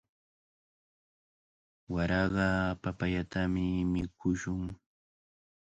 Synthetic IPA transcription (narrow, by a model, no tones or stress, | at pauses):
waɾɑɢɑpapaʎat̪amɪmɪkʰʊʃʊŋ